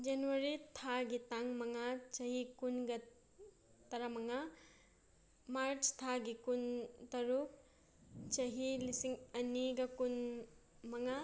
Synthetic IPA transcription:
d͡ʒɐnuwɐɾitʰaɡitaŋmɐŋat͡ʃɐɦikunɡɐ | tɐɾamɐŋa | maɾt͡ʃt̪ʰaɡikuntɐɾuk̚ | t͡ʃɐɦilisiŋɐniɡɐkun | mɐŋa

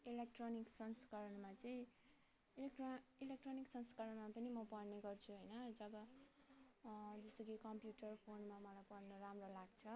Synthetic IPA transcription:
ilek̚ʈroniksʌnskaɾʌnmat͡sʌĩ | ilekʈilek̚ʈroniksʌnskaɾʌnmapʌnimʌpʌrneɡʌrt͡sʰuɦʌjnʌd͡zʌbʌ | d͡zʌst̪okikʌmpjuʈʌrpʰonmamʌlajpʌrnʌɾamrolaɡt͡sʰʌ

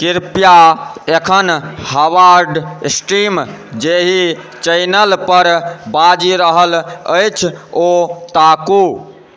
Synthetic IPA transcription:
kiɾpijaekʰənhəwaɾɖsʈimd͡ʒeɦi | t͡ʃəjnəlpəɾbad͡ʒiɾəɦələjt͡ʃʰot̪aku

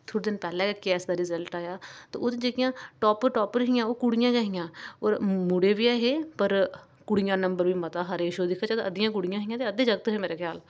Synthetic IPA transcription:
t̪ʰoːɽd̪ɪnpɛːlẽːkəkiɛːsd̪aɾɪzəlʈaːjaːt̪o̰ːʊt̪ed͡ʒekɪjãːʈɔːpəɾʈɔːpəɾɦɪjãːoːkʊɽɪjãːɡəɦɪjãːɔːɾmʊɽebiaːɦeːpəɾ | kʊɽɪjãːnə̃mbəɾbimɐt̪aːɦaːɾeɪʃoːd̪ɪkʰːaːt͡ʃat̪ʔəd̪ɪjãːk̬ʊɽɪjãːɦɪjãt̪eəd̪eːd͡ʒəɡt̪ɦemeːɾakʰjaːl

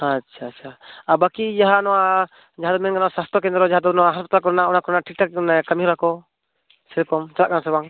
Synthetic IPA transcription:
atːt͡ʃʰaaabakid͡ʒaɦanɔwa | d͡ʒaɦad̪ɔmɛnɡanawsast̪ʰɔkɛnd̪ɾɔd͡ʒaɦad̪ɔnɔwaɦaspat̪alkɔɾnaɔnakɔɾnaʈʰik̚ʈaknɛkamiuɾakɔ | sɛɾkɔmt͡ʃalaʔɡansɛbaŋ

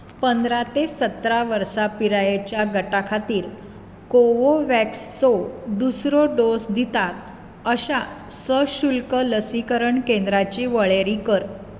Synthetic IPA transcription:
pənd̪ɾat̪esət̪ɾaʋəɾsapiɾajet͡ɕjaɡəʈakʰat̪iːɾ | koʋoʋɛksːod̪usɾoɖosd̪it̪at̪̚ | əɕasəɕulkələsikəɾəɳkend̪ɾat͡ɕiʋəɭeɾikəɾ

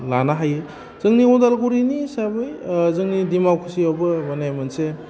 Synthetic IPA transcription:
lanaɦajɯ | z̥ɯŋniɔdalɡuɾinisabɯjzɯŋnidimawkʰɯsiawbɯmanajmanse

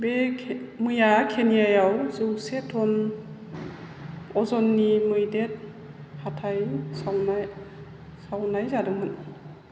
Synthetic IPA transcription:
bemɯjakʰenijajawzɯwsetʰɔn | ɔzɔnːimɯjdet̚ | hatʰajsawn | sawnajzadɯŋmɯn

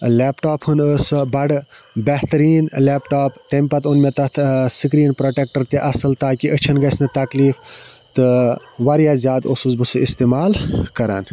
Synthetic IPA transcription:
leːpʈaːphɨnəsbɐɖ | beht̪ɐɾiːnleːpʈaːpt̪empɐt̪unmet̪ɐt̪ʰsɨk̬ɾiːnpɾoːʈek̚ʈəɾt̪iʔɐsɨlt̪aːkiʔət͡ʃʰɐnɡɐsnɨt̪ɐkliːf | t̪ɨ | ʋaɾjaːzʲjaːd̪osusbɨsɨist̪eːmaːlkɐɾa̰ːn

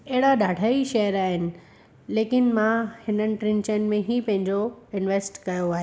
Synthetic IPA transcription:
ɛɦɪɽaɗaːɖʱaːiʃɐɦəɾaːɦɪnɪ̆ | leːkɪnmãhɪnənɪ̆ʈɾɪ̃nt͡ɕənɪ̆mẽɦipɐ̃ɦɪ̃ɲd͡ʑoɪnʋeːsʈkɐjoaːɦeː

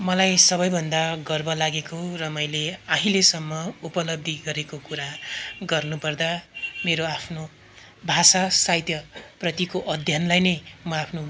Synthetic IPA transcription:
mʌlajsʌbʌjbʱʌnd̪aɡʌrbʌlaɡekorʌmʌjleaɦĩlesʌmːʌupʌlʌb̚d̪ʱiɡʌɾekokuɾaɡʌrnupʌrd̪ameɾoapʰno | bʱasasajt̪jʌprʌt̪ikoʔʌd̪ʱjʌnlajnʌjmʌapʰno

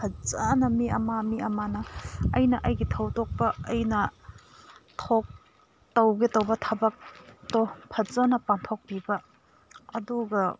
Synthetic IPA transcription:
pʰɐzanɐmiɐ̰mamiɐmanɐɐjnɐʔɐjɡitʰɐwtok̚pɐɐjnɐ | tʰok̚ | tɐwɡetɐwbɐtʰɐbɐk̚topʰɐzanɐpaŋtʰok̚pibɐ | ɐduɡɐ

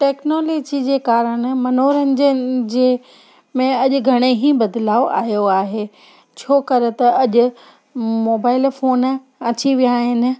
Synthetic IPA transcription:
ʈeːknoːloːd͡ʑid͡ʑeːkaːɾəɽ̃̆mɐnoːɾənɪ̆d͡ʑəd͡ʑe | mẽɐʄʊ̆ɡʱɐɽ̃eɦibɐd̪laːoʔa̰ːɦijoaːɦeː | t͡ɕʰoːkɐɾt̪ɐɐʄʊ̆ | moːbaːɪlfoːn | ɐt͡ɕiʋijaːɦɪnɪ̆

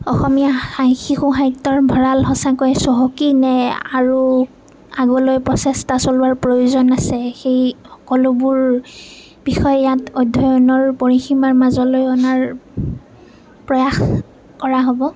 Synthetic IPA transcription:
ɔxɔmijaxaŋxixuɦajtːɔɹbʱɔɹalɦɔsakojɛsɔɦokinɛaɹu | aɡɔlojpɹɔsɛstasɔlʊaɹpɹojozɔnasɛxejxɔ̥kɔlʊbʊɹ | bixɔjɛjatɔjdʱːɔjɔnɔɹpoɹiximaɹmazɔlojɔnaɹ | pɹɔjax | kɔɹaɦobɔ

